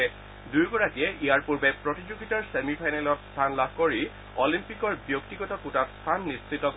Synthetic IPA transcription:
ɛ | duɹɡɔɹakijɛʔijaɹpuɹbɛpɹotid͡ʑuɡitɔɹsemipʰajnɛlɔtst̪ʰanlabʱkoɹi | ɔlimpikɔɹbjoktiɡɔtɔkutatst̪ʰanːistʰitɔk

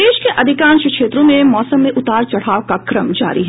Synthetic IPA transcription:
eːʃkeʔʔɐd̪ʱɪkãːnʃəkʃeːt̪ɾõmẽmɔːsəmːẽʔʊt̪aːɾt͡ʃɐɽ̤aːokakɾəmd͡ʒa̰ːɾiɦɛː

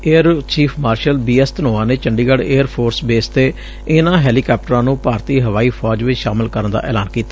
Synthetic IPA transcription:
eːəɾt͡ʃiːpʰmaːɾʃəlbiːɛːst̪ənoːãːneːt͡ʃəɳɖiːɡəɽeːəɾpʰoːɾsbeːst̪eː | ɪnãːɦɛːliːkɛːp̚ʈəɾãːnũːpaːɾt̪iːɦəʋaːiːpʰɔːd͡ʒʋɪt͡ʃʃaːmɪlkəɾənd̪a̰ːʔɛ̰ːlaːnkiːt̪ːḁː

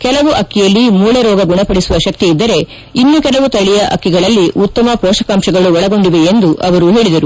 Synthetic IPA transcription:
kɛlɐʋuʔɐkːijɐlːimuːɭeɾɔːɡɐɡuɳɐpɐɽisuʋɐʃɐk̚t̪iːd̪ːɐɾe̞ | inːukɛlɐʋut̪ɐɭijɐʔɐ̰kːiɡɐɭɐlːiʔut̪ːɐmɐpɔːʃɐkaːmʃɐɡɐɭuɔɭɐɡo̞ɳɖiʋeend̪uʔɐʋɐɾuɦe̞ːɭid̪ɐɾu

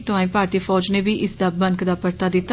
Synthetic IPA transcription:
t̪ʊãːĩːpaːɾt̪iːfɔːd͡ʒneːbiːʔɪsd̪aːbəŋkd̪aːpəɾt̪aːd̪ɪt̪ː

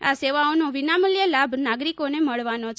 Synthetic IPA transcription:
aseʋaonoʋinaməljəlabʱnaɡɾikoneməɭʋanot͡ʃʰ

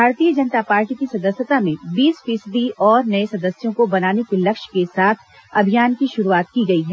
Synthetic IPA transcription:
bʱaːɾt̪ijəd͡ʒɐnət̪apaːɾʈikisɐd̪əsjət̪amẽbiːsfiːsd̪iʔɔːɾnɐẽsɐd̪əsjõkobɐnaːnekelɐkʃkesaːt̪ʰ | ɐbʱijaːnkiʃʊɾuaːt̪kiɡɐiɦɛː

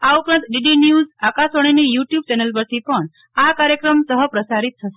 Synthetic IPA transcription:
aupɾãnt̪ɖiɖinjuzakasəɽ̃inejuʈjub̚t͡ʃɛnelp̬əɾt̪ʰipəɳ | akaɾjəkɾəmsəɦəpɾəsaɾit̪̚tʰəʃe̥

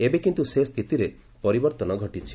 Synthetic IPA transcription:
ebekint̪usest̪ʰit̪iɾe | pɔɾibɔɾt̪ɔnɔɡʱɔʈit͡ʃʰi̥

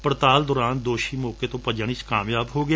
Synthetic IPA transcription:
pəɾt̪aːld̪ɔːɾaːnd̪oːʃiːmɔːkeːt̪õːpəd͡ʒəɳ̃it͡ʃkaːmjaːbɦoːɡɪa

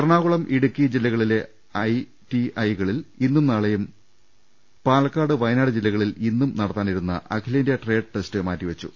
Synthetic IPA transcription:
ɐrɳaːɣuɭɐmʔiɽukʲːid͡ʑilːɐɣɐɭile̞ | ɐj | tiɐjɣɐɭilinːumnɐɭɐjum | paːlɐkːaːɽɨʋɐjnaːɽɨd͡ʑilːɐɣɐɭilinːumnɐɽɐt̪ːaːniɾunːɐ̰ʔɐkʰileːndijɐʈre̞ːɖɨʈestɨmaːtːiʋɐt͡ɕːu

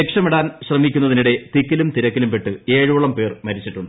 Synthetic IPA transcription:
ekʂɐmeɽaːnɕrɐmikʲːunːɐðiniɽe̞t̪ikːilumt̪iɾɐkːilumpeʈːɨe̞ːɻuʋuɭɐmpe̞ːrmɐɾit͡ɕːiʈːuɳɖɨ

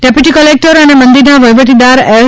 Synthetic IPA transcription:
ɖepjuʈikəlek̚ʈəɾɐnemɐ̃nd̪iɾnãʋɐjʋəʈ̪id̪aːɾɛ

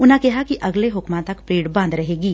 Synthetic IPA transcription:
ʊnɦãkɛɦakiʔɐɡleɦʊkmãt̪ɐkpɾeːɽbãːnd̪ɾɐɦeːɡiː

